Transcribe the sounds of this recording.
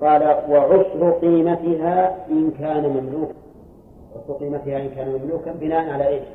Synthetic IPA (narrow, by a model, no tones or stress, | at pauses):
qɑːlawaʕʊsɾʊq̪iːmat̪ɪɦaːʔɪnkaːnamamluːka | ʕʊsɾʊqiːmat̪ɪhaʔɪnkaːnamamluːkabɪnaːʔanʕalaːʔeːʃ